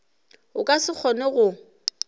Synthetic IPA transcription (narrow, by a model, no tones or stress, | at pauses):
ʊkʼasɪk͡xʰɔnɛɣʊ